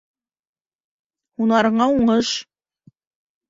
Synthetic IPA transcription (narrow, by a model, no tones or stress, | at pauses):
unɑɾɤ̆ɴɑuɴɤʃ